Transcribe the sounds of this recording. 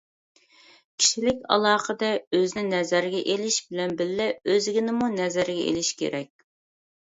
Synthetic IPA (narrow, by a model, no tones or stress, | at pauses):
kʲʰi̥ʃilɪkʲɑ̰lˠɑːqəd̪ɛøzɪnɪnɛzæɾɡʲɛʔelɪʃbɪlɛnbɪlːɛøzɪɡʲinɪmunɛzæɾɡʲɛʔḛlɪʃkʲʰḛɾɛkʲ